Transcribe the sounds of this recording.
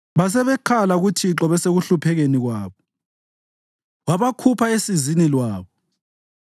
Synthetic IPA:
βas̬ɛβɛkʰalaɣutʰiǁɔβɛseɣuɬupʰɛɣeniɣwaːβɔ | waβakʰupʰaesizinilwaːβɔ

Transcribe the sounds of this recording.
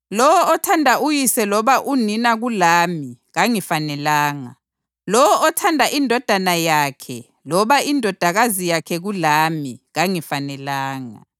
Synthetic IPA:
lɔwɔɔtʰandʱaʔujisɛlɔβaʔuninaɣulaːmiɣaŋifanɛlaːŋa | lɔwɔʔɔtʰandʱaʔindʱɔd̥ʱanajaːkʰɛ | lɔβaindʱɔd̥ʱaɣazijakʰɛɣulamiɣaŋifanɛlaːŋa̰

